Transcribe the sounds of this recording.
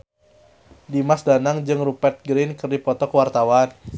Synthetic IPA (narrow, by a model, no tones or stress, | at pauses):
dimasdanaŋd͡ʒɨŋrupɛt̪̚ɡɾinkɨrdipɔt̪ɔkəwart̪awan